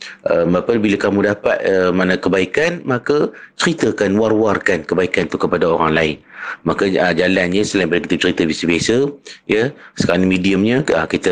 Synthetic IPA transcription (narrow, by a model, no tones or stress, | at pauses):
ʔəmbapəbilakamũdapa̰t̪̚əmanãkəbaikanmãkat͡ʃəɾit̪əkanwarwarkankəbaikant̪ukəpadaoɾaŋlaɪnmakaəd͡ʒalanɲə̃səlaĩmpalakit̪ət͡ʃəɾit̪əbiasəbiasəjəsə̥kaɾaŋmidiəmɲəə̰kit̪ə